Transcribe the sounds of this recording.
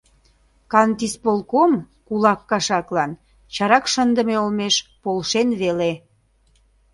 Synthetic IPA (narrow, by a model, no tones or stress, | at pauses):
kɑnt̪ispolkom | kulɑkːɑʃɑklɑn | t͡ɕɑɾɑkʃənd̪ə̆meolmeʃpolʃenβele